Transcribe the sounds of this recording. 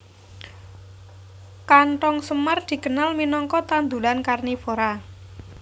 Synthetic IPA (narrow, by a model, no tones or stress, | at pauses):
kaɳʈɔŋsəmard̪̥i̤kənalminɔŋkɔt̪and̪ulankarnifoɾa